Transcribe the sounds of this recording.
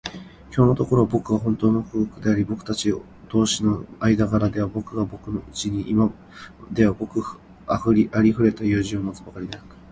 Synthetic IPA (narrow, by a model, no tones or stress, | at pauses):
kʲo̞ːno̞t̪o̞ko̞ɾo̞βabo̞kɯ̟ɡaɦõ̞nt̪o̞ːno̞ɸɯ̟ɯkɯ̟d̪e̞aɾʲibo̞kɯ̟t̪at͡ɕio | d̪̥o̞ːɕino̞aid̪aɡaɾad̪e̞βabo̞kɯ̟ɡabo̞kɯ̟noɯt͡ɕiɲ̟iʔima | d̪e̞βabo̞kɯ̟ | aɸɯɾʲiʔaɾʲiɸɯ̟ɾe̞t̪ajɯːʑɨ̃ːmːot͡sɨbakaɾʲid̪eak